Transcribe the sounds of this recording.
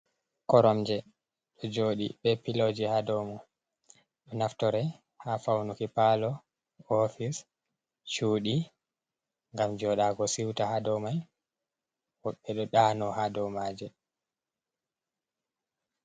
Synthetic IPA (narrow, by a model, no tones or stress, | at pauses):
kɔɾɔmd͡ʒɛ | ɗɔd͡ʒoːɗḭɓɛpilod͡ʒihadɔmɔ | ɗɔnaftɔɾɛ | hafawnukipalɔ | ɔfis | t͡ʃuːɗi | ŋɡamd͡ʒɔɗaɡɔsiwtahadɔmaj | wɔɓɛɗɔɗaːnɔhadɔwmaːd͡ʒɛ